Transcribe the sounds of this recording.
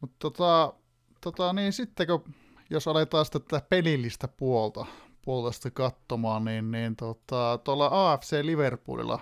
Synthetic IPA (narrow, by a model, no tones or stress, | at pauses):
mut̪t̪ot̪ɑˑ | t̪ot̪ɑniːsit̪ːeko | josɑlet̪ɑːsi̥t̪æt̪æt̪æpelilːist̪ɑpuolt̪ɑpuolt̪ɑst̪ɑkɑt̪ːomɑˑnniːnniːnt̪ot̪ɑt̪uolːɑɑːefseːliʋerpṵːlḭlːɑ̰